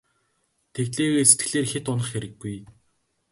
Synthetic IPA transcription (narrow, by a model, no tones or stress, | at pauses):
t̪ʰekt̪ɮeːɣeːse̥t̪̚ɡɘ̆ɮeːrxet̪ʊnə̆χxeɾɘ̆ɡːuj